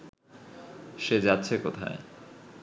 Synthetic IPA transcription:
ʃed͡ʑatːɕʰekot̪ʰa̰e

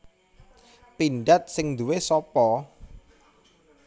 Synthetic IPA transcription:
pinɖat̪̚sɪŋd̪uwesɔpɔ

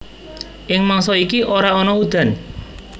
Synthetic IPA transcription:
ʔɪŋmaŋsɔikiʔoɾaɔnɔud̪̥a̤n

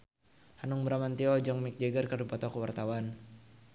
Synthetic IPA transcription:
hanuŋbəɾamant̪iɔd͡ʒɔŋmik̚d͡ʒɛɡərkərdipɔt̪ɔkuwart̪awan

